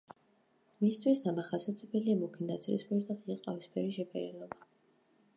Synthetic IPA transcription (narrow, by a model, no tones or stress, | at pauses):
mist̪ʰwisd̪amaχasat̪zʰʼɛbɛliamukʰind̪at̪sʰʼlḭsmiɾd̪aʁiqʼavispʰɛɾiʃɛbʰɛɾɛlˠɔba